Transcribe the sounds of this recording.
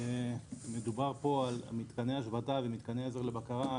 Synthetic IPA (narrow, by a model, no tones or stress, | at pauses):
emed̪ubaʁpo̞ala̰mit̪kaneaʃvatavemit̪kaneezoʁlebakaʁa